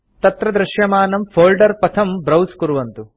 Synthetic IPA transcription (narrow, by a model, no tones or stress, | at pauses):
t̪ɐt̪ɾɐd̪ɾɐʃjɐmaːnɐmfʰoːlɖɐɾpɐt̪ʰɐmbɾɐwskuɾuʋɐnt̪u